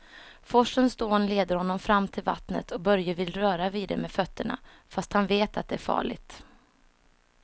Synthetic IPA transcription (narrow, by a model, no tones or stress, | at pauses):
fɔʂənsd̪oːnleːd̪əɾhɔnːɔmfɾamːt̪ʰɪlva̰t̪nə̰t̪ʰɔkbœɾjəvɪlɾœːɾaviːd̪ɛ̰mɛfœt̪ʰːəɳa̰ | fast̪hanveːt̪ʰat̪̚d̪ɛæɾfɑ̰ːɭɪ̰t̪